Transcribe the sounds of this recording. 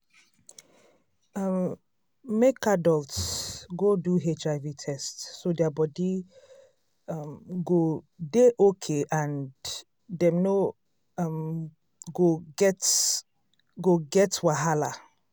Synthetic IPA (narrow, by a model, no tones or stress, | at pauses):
m | mekadɔltsɡoduɦet͡ʃaɪvitʰɛstːodɛabɔdi | mɡo | deʔokʰeʔãn | dɛ̃mno | m | ɡoɡɛt | ɡoɡɛtwaɦala